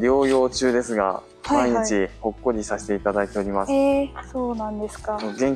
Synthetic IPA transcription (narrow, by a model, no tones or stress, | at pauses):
ɾʲo̞ːjo̞ːt͡ɕɨːd̪e̞sɨɡa̰ | maiɲ̟it͡ɕiho̞kːo̞ɾʲisaɕi̥t̪e̞it̪ad̪ait̪e̞o̞ɾʲimassoːnãnd̪eskaoɡẽ̞ŋ